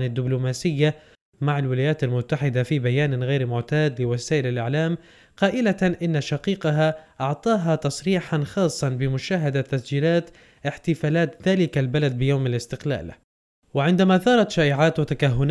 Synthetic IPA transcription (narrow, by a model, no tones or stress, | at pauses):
nɪd̪ːɪblʊmaːsɪjːa | maʕalwɪlaːjaːt̪almʊt̪ːaħɪd̪afibajaːnɣeːɾmʊʕt̪aːd̪lɪwasaːʔɪlalʔɪʕlaːm | qɑːʔɪlaʔɪnːaʃɑqiːqaɦaʔɑʕt̪ˤɑːɦat̪ɑsˤɾiːħanxɑːsˤːɑnbɪmʊʃaːɦad̪at̪ːasd͡ʒiːlaːt̪ | ʔɪħt̪ɪfaːlaːt̪ðaːlɪkalbalad̪̚bɪjoːmalɪst̪ɪqla̰ːl | wɪʕɪnd̪amaθɑːɾˤɑt̪ʃaːʔɪʕaːt̪wɪt̪akaɦːʊn